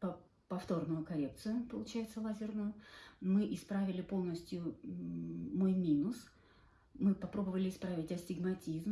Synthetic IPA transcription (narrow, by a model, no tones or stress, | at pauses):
pɐ | pɐft̪o̞rnʊjʊkɐɾʲep̚t̪sɨjʊpəlˠʊt͡ɕæjɪt̪səlˠazʲɪrnʊjʊmɨʔɪspɾavʲɪlʲɪpo̞lˠnəsʲtʲjʊ | mojmʲinʊs | mɨpɐpɾo̞bəvəlʲɪːspɾavʲɪtʲɐsʲtʲɪɡmɐtʲizm